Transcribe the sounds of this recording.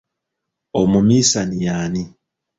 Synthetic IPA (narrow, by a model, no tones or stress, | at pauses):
omumisanijani